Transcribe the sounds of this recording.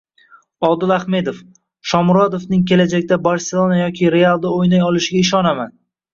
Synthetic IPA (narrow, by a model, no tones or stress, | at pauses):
ɒlˠd̪ɪlˠaχme̞d̪of | ʃɒmɾɒd̪ofnɪŋkʲʰe̞lad͡ʒak̚ʲd̪abaɾselˠonajɒkʲʰɪɾe̞alˠd̪aojnajɒlˠɪʃɪɡʲaɪʃ̬ɒnaman